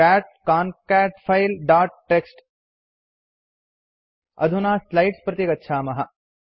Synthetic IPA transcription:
aːʈ̚kaːnkæːʈpʰɐjlɖaːɾʈ̚ʈːeksʈ | ɐ̰d̪ʱunaːslɐjʈspɾɐt̪jiɡɐtːʃʰaːmɐɦɐ̆

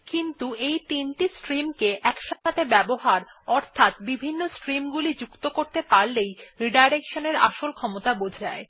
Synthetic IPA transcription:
kint̪uejt̪inʈisʈɾimkeʔɛkʃaat̪ʰebɛboɦaɾɔɾt̪ʰat̪bibʱinːosʈɾimɡulid͡ʑukt̪okoɾt̪epaɾlejɾiɖajɾekʃoneɾaʃolkʰɔmot̪abod͡ʑʱae

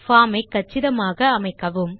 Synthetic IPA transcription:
faːmɐɪkːɐt͡ʃːɪɾɐmaːɣɐːmɐɪkːɐʋɯm

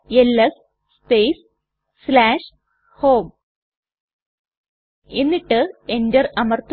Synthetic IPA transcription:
elːɐs | speːs | slaːʂ | hoːm | enːiʈːɨendɐrɐmɐrt̪

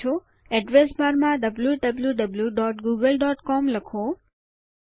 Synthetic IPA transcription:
o | ɛɖʋesbaɾmãd̪əbluɖəbljuɖəbljuɖɔʈɡuɡəlɖɔʈkɔmləkʰo

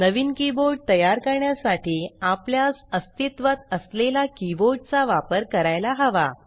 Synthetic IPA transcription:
nəʋiːnkiboɾɖ̚t̪əjaɾkəɾɳjasaʈʰiːapljasəst̪it̪ʋat̪əslelakiboɾɖ̚t͡saʋapəɾkəɾajlaɦəʋa̰

